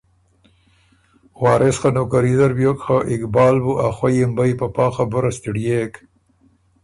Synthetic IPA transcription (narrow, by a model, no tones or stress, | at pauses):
wɑːɾʔesχanokaɾizaɾbjokxaʔɪkbɑːlbuʔaxwajimbajpapɑːxabʊɾast̪iɖijek